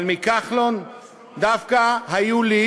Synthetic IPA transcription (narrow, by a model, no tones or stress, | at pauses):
lmikaχlon | d̪afkaɦajuli